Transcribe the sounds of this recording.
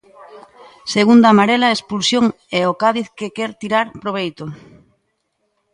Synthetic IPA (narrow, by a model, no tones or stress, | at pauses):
seɣund̪amaɾɛlaespulsjoŋ | ɛokaðiθkekɛɾt̪iɾaɾpɾoβ̞ejt̪o